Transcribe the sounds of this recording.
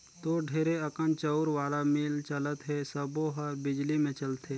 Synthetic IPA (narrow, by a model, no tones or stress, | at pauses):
t̪oːɖʱeːɾeɐkənt͡ʃəʊɾʋaːlamɪːlt͡ʃɐlət̪ɦɛsəboɦəbɪd͡ʒlimẽt͡ʃɐlt̪ʰe